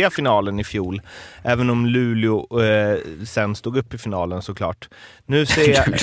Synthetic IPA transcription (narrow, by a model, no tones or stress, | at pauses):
afɪnɑːlənɪfjuːlʔɛːvənɔmlʉ̟ːlɪʊ | sɛnːst̪uːɡɵpːɪfɪnɑːlənsɔkʰlɑ̰ːʈ | nʉ̟ːseːa